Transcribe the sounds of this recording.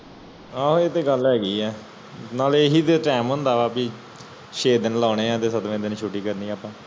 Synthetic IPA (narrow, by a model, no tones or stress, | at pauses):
aːɦoːeːt̪eːɡəlɦɛːɡiːɛː | naːleːɦiːt̪eʈɛːmɦʊ̃nd̪aːʋaːpiː | ʃeːd̪ənlaːneːãːt̪eːsət̪ʋẽːd̪eniːt͡ʃʰuːʈiːkəɾniːaːpãː